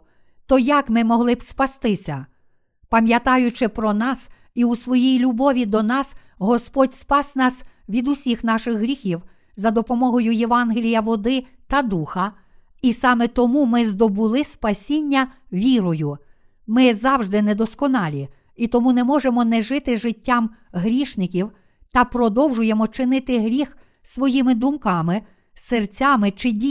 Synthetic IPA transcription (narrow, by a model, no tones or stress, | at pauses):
t̪ɔjɐkmɪmɔɦlˠɪbspɐst̪ɪsʲɐ | pɐmʲjɐt̪ɑjʊt͡ʃɪpɾɔnɑs | iusʋɔjijlʲʊbɔʋʲid̪ɔnɑs | ɦɔspɔdʲspɑsʲnɑsʋʲid̪ʊsʲixnɑʃɪxɦɾʲixʲiw | zɐd̪ɔpɔmɔɦɔjʊjeʋɑnɦelʲijɐʋɔd̪ɪ | t̪ɐd̪uxɐ | isɑmɛt̪ɔmumɪzd̪ɔbʊlˠɪspɐsʲinʲːɐʋʲiɾɔjʊ | mɪzɑwʒd̪ɪnɛd̪ɔskɔnɑlʲi | it̪ɔmunɛmɔʒemɔnɛʒɪt̪ɪʒɪtʲːɑm | ɦɾʲiʃnɪkʲiw | t̪ɐpɾɔd̪ɔwʒʊjemɔt͡ʃɪnɪt̪ɪɦɾʲix | sʋɔjimɪd̪ʊmkɑmɪ | sert͡sʲɑmɪt͡ʃɪdʲi